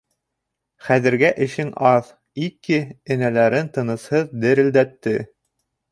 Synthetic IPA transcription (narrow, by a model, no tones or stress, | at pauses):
χæðɘ̆ɾɡæʔɘ̆ʃɘŋɑð | ikɘɘ̆nælæɾɘnt̪ɤ̆nɤ̆shɤðd̪ɘɾɘ̆ld̪æt̪ːɘ